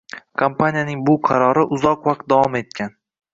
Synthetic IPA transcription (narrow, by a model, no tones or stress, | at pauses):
kʰampʰanʲijanɪŋbʊqʰɑɾɒɾɪʔʊzɒqvaq̚t̪̚d̪avɒme̞t̪̚kʲʰan